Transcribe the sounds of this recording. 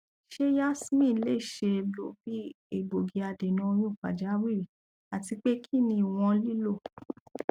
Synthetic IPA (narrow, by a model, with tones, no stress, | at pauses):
ʃe˦ja˦smĩ˦˨˧le˦˨ʃe˧lo˨bi˦ | e˦˨bo˨ɡi˨a˧de˨nũ˧o˧j̃ũ˦˨fa̰˨d͡ʒa˨˦ɾi˦˨ | a˨ti˧k͡pe˦kʰi˦˨nĩ˧˨w̃ɔ̃˧li˦lo˦˨